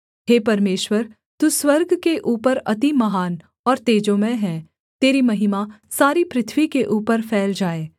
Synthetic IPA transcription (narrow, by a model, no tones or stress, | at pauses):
ɦeːpɐɾmeːʃwəɾ | t̪uswɐɾɡʱkeʔuːpəɾɐt̪imɐɦaːn | ɔːɾt̪eːd͡ʒõmẽɦɛ̃ | t̪eːɾimɐɦɪmasaːɾipɾɪt̪ʰwikeʔuːpəɾfʰɛːld͡ʒaːeː